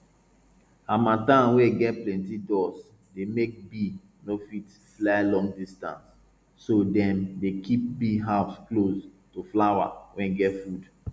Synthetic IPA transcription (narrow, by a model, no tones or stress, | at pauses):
ãmãtãnweɡɛt̚plɛ̃ntidɔs | demek̚bi | nofit | flaɪlɔ̃ŋɡdistã̰nsː | odɛ̃mdekip̚biɦaʊsklos | toflawa̰wɛ̃nɡɛtfud